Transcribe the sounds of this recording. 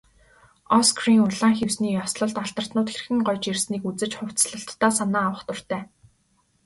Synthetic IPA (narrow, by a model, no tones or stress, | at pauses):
ɔskriŋʊɮaːŋxewsniːjɔsɮə̆ɮt̪aɬt̪ə̆r̥t̪nʊːt̪xerɘ̆xɘ̆ŋɢɔjt͡ɕirsniːkut͡sɘ̆t͡ɕχʊw̥t͡sɮə̆ɬt̪ːaːsanaːwə̆χt̪ʊ̆r̥t̪ʰæː